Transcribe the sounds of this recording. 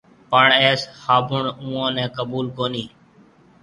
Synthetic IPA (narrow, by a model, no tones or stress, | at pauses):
pəɳeːshaːbʊɳũːãːnɛ̃ːkəbuːlkoːniː